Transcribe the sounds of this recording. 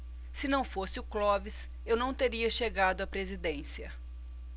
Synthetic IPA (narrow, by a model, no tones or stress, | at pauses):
sɪnɐ̃w̃fosɪʊklɔvɪs | ewnɐ̃w̃t̪eɾiɐʃeɡad̪ʊɐpɾezid̪ẽsiɐ